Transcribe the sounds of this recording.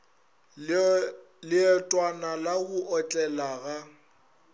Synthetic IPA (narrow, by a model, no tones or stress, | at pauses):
lɪɛtʼwanalaɣʊʔɔt͡ɬʼɛlaɣa